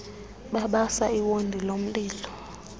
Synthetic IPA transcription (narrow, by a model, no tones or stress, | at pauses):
ɓaɓasaiwondʱilom̩ɓiːlɔ